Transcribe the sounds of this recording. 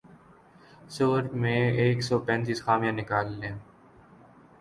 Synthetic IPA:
soːɾmẽeːksɔːpɛ̃ːnt̪iːsxaːmijãnɪkaːlːẽː

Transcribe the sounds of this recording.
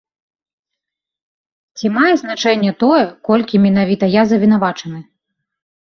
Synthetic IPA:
t͡sʲimajɛznat͡ʂɛnʲːɛt̪ɔjɛkɔlʲkʲimʲɛn̪avʲit̪ɐjazɐvʲin̪avat͡ʂɐnɨ

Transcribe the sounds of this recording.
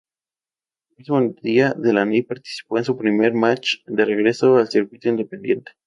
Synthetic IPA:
elmizmod̪iaðe̞lanepaɾt̪i̥si̥po̞ensupɾime̞ɾmat͡ʃd̪e̞re̞ɣɾe̞so̞alsiɾkwit̪oind̪e̞pe̞nd̪je̞nt̪e̥

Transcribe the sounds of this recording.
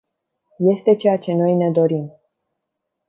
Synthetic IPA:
je̞st̪e̞t͡ʃe̞jat͡ʃe̞no̞jne̞d̪o̞ɾim

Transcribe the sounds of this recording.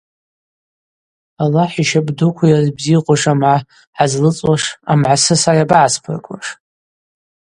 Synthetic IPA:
alaħiʃabdukʷʰajazbziːqʷʼʊʂamʕa | ħazlɨt͡sʼwaʂa̰mʕasɨsajabaʕaspʰɨ̰rkʷʼa̰ʂ

